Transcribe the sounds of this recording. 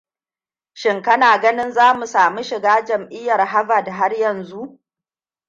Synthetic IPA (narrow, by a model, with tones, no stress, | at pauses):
ʃɪ˨ŋkɐ˦naː˨ɡɐ˦nɪ˦nzaː˦mu˨saː˨mu˦ʃɪ˨ɡaː˦d͡ʒɐ˨mʔɪ˦jːɐ˨rɦa˦vaː˨da˨ɦa˦rjɐ˨nzu˦ʔ